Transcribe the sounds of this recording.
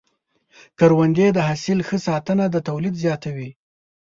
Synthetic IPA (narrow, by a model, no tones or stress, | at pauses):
kəɾwand̪ed̪əɦasɪlxəsɑt̪ənad̪ət̪awlid̪zjɑt̪awi